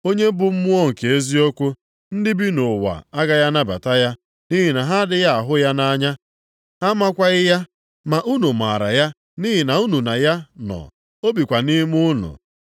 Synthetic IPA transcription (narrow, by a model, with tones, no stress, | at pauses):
o˦ɲe˦bʊ˦m̩˦mʊ˦o˦ŋ̩˨ke˨e˦zi˦o˦kʷo˦ | n̩˦dɪ˦bi˦no˨wa̰˨a˦ɡa˦ja˦na˦ba̰˨ta˦ja˦ | ni˦ɦi˨na˨ɦa˦dɪ˦ɣa˦a˨ɦʊ˦ja˦na˦ɲa˦ | ha˦ma˦kʷa˦ɣɪ˦ja˦ | ma˨ʔu˦nu˨m˨a̰˨ɾa̰˨ja˦ | ni˦ɦɪ˨na˨u˦nu˨na˨ja˦nɔ̰˨ | o˦bi˨kʷa˨ni˦mʊ˦nʊ̰˨